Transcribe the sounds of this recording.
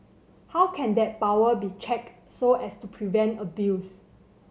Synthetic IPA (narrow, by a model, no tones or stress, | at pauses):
hawkʰɛ̃ndɛt̚pawəbit͡ʃɛk̚ | soɛstupʰɹivɛ̃ntəbius